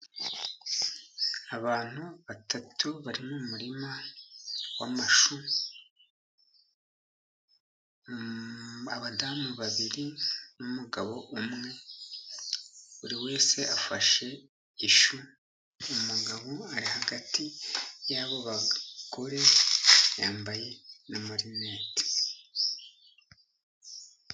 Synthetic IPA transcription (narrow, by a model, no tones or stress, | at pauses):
aβaːn̥huβatatʰuβaɾimomuɾima | wamaʃu | aβadaːmuβaβiɾinumuɡaβo̞ʔumŋe̞ | uɾiwe̞ːse̞afaʃe̞ | iʃu | muɡaβoaɾihaɡatijaβo̞βakoɾe̞jaːmbaje̞namaɾineːti̥